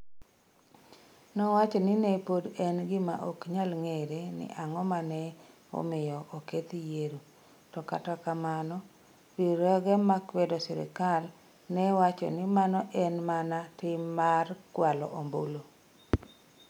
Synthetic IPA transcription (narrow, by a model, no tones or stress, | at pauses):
nɔwat͡ʃɔnɪnepodɛnɡɪma̰ʔo̰kɲalŋeɾenɪ̰ʔaŋɔmanɛ | o̰mɪjɔʔoket̪jeɾu | tɔka̰takamanɔ | ɾiɾɔɡɛmakwɛdɔsɪ̰ɾɪ̰kal | nɛwat͡ʃɔ̰nɪmanɔʔɛnmanatɪmːarkwalɔ̰ʔombolo